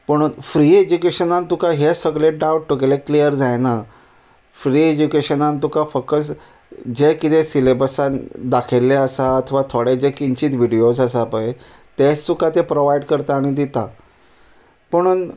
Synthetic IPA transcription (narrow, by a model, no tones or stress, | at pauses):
pəɽ̃uːnfɾiːed͡ʑukeɕənãnt̪ukaɦesəɡɭeɖawʈʈːukeleklijəɾd͡zajna | fɾiːed͡ʑukeɕənãnt̪ukafəkːəs | d͡ʑekit̪esilebəsãnd̪akʰelːeəsaət̪ʰəʋat̪ʰoɽed͡ʑekiɲt͡ɕiːt̪ʋiɽiosəsapaje | t̪est̪ukat̪epɾoʋajiɖkəɾt̪aːɽ̃id̪it̪a | pəɽ̃uːn